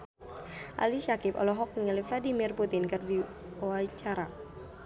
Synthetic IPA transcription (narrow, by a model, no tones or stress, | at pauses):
ʔa̰liʃakɪpɔ̰lɔɦɔk̚niŋalɪfladimɪrput̪ɪnkɨrdi | oat͡ʃaɾa